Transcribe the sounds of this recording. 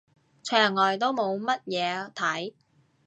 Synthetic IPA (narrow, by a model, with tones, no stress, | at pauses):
t͡ʃʰœː˨˩ŋːɔː˨˩jt̪o˥wmo˨˧wmɐ˥t̚jɛː˨˧t̪ʰɐ˨˥j